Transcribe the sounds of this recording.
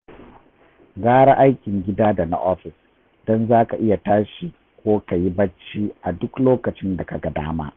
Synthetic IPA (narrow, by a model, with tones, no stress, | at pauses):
ɡaː˦ɽa˦ʔa˦jkʲɪ˨ŋɡʲɪ˦daː˦da˨na̰˦ʔɔ˦ɸɪ˨s | d̥ɔ˦nzaː˦ka˨ʔɪ˦ja˨taː˦ʃi˨ | kʷoː˦ka˨ji˦bɐ˦t͡ʃːiː˦ʔa˨dʊ˦kloː˦kɐ˨t͡ʃɪ˦nda˨ka˨ɡa˨da̰ː˦ma̰ː˦ʔ